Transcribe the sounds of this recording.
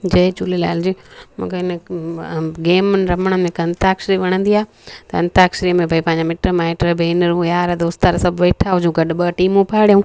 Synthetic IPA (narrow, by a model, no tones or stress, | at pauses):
d͡ʑɐt͡ɕuːlela̰ːɪld͡ʑimṵ̃ːkeɪnə | ɡeːmnɾɐməɽ̃əmẽkɐ̃nt̪aːkʃɾiʋɐɽ̃ə̃nd̪iaː | t̪ɐɐ̃nt̪aːkʃɾiːjəmẽbʱɐipɐ̃ːɪɲd͡ʑamɪʈɾəmaːeʈɾəbʱeːnəɾũjaːɾɐd̪oːst̪aɾsɐbʱʋeːʈʰaɦʊd͡ʑũɡɐɗɓəʈiːmũpʰaːɽijũː